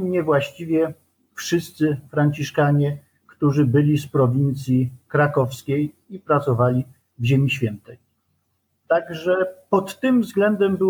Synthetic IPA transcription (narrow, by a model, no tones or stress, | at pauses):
ɲɛvwaɕt͡ɕivʲjɛ | fʂɘst̪sɘfɾaɲt͡ɕiʂkaɲɛ | kt̪uʐɘbɘlʲispɾɔvʲint̪sʲjikɾakɔfskʲej | ipɾat̪sɔvalʲi | vʑemʲiɕfʲjɛnt̪ɛj | t̪aɡʐɛpɔt̪ːɘmvzɡlɛnd̪ɛmbɘ